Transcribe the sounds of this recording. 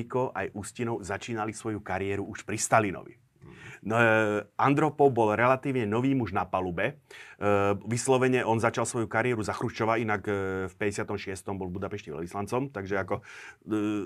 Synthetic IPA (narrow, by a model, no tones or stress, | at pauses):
ikɔʔajʔuscinɔʊzat͡ʃiːnalisʋɔjukaɾɪɛɾuuʃpɾist̪alinɔ̰ʋḭ | nʔand̪ɾɔpɔwbɔlɾɛlat̪iːʊɲɛnɔʋiːmuʒnapalubɛ | ʋislɔʋɛɲɛʔɔnzat͡ʃalsʋɔjukaɾɪɛɾuzaxɾut͡ʃɔʋainakfpɛɟɛsɪat̪ɔmʃɪɛst̪ɔmbɔlˠvbud̪apɛʃcɛʋɛ̰lʋislant͡sɔmt̪aɡʒɛakɔ